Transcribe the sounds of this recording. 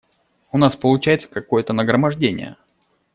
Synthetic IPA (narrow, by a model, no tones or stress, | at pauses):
ʊnaspəlˠʊt͡ɕæjɪt̪sə̥kɐko̞jət̪ənəɡɾəmɐʐdʲenʲɪ̰jə̰